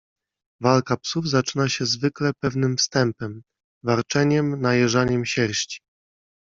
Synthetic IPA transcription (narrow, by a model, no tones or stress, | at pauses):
valkapsuvzat͡ʂɘnaɕɛzvɘklɛpɛvnɘmfst̪ɛmpɛm | valt͡ʂɛɲɛmnajɛʐaɲɛmɕɛɾɕt͡ɕi̥